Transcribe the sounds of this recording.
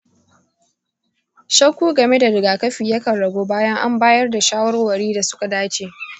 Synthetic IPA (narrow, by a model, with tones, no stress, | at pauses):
ʃɐ˦kʷuː˦ɡɐ˨me˦da˨ɾɪ˨ɡaː˨kɐ˦ɸiː˨jɐ˦kɐ˨nɽɐ˨ɡʷoː˦baː˦jɐ˦ŋʔa˦mbaː˦jɐ˦rda˨ʃaː˦wɐ˦rwɐ˨ɽiː˦da˨sʊ̥˦ka˨daː˦t͡ʃeː˨